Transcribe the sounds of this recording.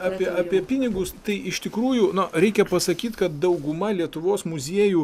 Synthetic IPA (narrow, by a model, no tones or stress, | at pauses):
ɑːpʲiɛʔɑːpʲiɛpʲɪnʲɪɡʊst̪ɐɪʔɪʃt̪ʲɪkɾuːjuːnɐɾʲɛɪkʲɛpɐsɐkʲiːt̪kɐt̪̚d̪ɐʊɡʊmɐlʲiɛt̪ʊʋoːsmʊzʲiɛːjuː